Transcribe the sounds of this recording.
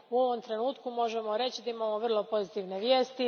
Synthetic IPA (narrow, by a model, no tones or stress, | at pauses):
uo̞ʋomt̪ɾe̞nuːt̪kumo̞ʒemo̞ɾe̞t͡ɕid̪aimamoʋr̩lˠo̞po̞zit̪iʋneʋjeːst̪i